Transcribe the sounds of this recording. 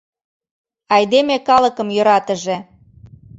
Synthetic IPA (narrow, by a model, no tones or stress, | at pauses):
ɑjd̪emekɑləkə̆mjøɾɑt̪əʒe